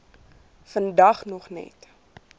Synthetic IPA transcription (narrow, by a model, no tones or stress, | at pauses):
fəndɐχnɔχnɛ̰t